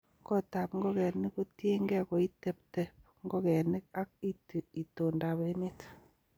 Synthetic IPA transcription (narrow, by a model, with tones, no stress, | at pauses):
kɔ˦ta˨pŋɡo˦kɛ˨ni˦ko˦te˦ŋɡɛ˦kɔ˨i˦te˦˨p̚te˨p̚ | ŋɡo˦kɛ˨ni˦k̚a˦k̚i˦ti˨i˨to˨nda˨βe˦ne˦t